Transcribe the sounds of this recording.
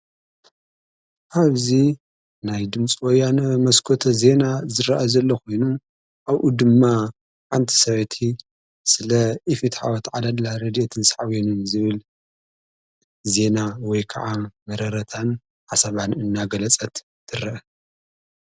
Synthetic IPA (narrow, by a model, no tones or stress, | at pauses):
ʔaβzi | najd̪ɨmt͡sʼiwɔjːanɐmɐskʰot̪ʰɐze̞nazɨɾaʔazɐlːɐkʰo̞jnu | ʔaβʔud̪ɨmːa | ħant̪ʰi̥sɐβɐt̪ʰi | sɨlɐʔifit̪ħa̰wɐt̪ʕalad̪laɾɐd̪iet̪ʰɨnsaʕawenɨnzɨβɨl | ze̞nawɔjkʰɐ̰ʕamɐɾɐɾɐt̪ʰan | ʕasɐβanɨnːaɡɐlɐt͡sʼɐt̪ːʰɨɾɐʔɐ